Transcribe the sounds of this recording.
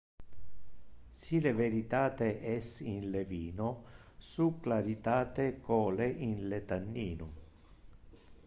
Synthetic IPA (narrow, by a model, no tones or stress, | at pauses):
sileveɾit̪aːt̪eʔɛsinleviːnosuklaɾit̪aːt̪ekoːleʔinlet̪anːiːnu